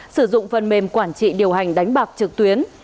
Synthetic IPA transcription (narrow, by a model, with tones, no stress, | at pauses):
sɨ˧˩zʊ̰˧˨ŋ͡mfə˨˩nme˨˩mkwaː˧˩nt͡ɕḭ˧˨ɗi˨˩əwɦa˨˩jŋ̟ɗa˨˦jŋ̟ɓaː˨˩k̚t͡ɕɨ˨˩k̚t̪wi˨˦ən